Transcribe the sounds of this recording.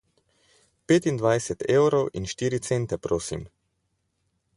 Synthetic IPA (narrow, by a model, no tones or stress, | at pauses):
peːt̪ind̪ʋajsɛt̪eːwɾɔwʔḭnʃt̪iːɾit̪sent̪ɛpɾoːsḭm